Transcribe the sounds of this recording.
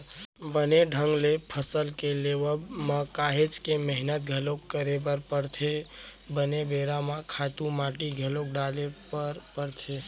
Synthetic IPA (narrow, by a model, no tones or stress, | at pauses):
bəneɖʱəŋɡlepʰəsəlkeleʋəməkaɦet͡ʃkeməɦnət̪̚ɡʱəlokːəɾebəɾpəɾt̪ʰe | bənebeɾamãkʰat̪umaʈiɡʱəlok̚ɖalepəɾpəɾt̪ʰe